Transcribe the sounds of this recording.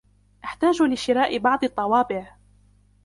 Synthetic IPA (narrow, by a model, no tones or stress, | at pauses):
ʔaħt̪aːd͡ʒlɪʃɪɾaːʔɪbɑʕd̪ˤɨt̪ˤːɑwɑːbɪʕ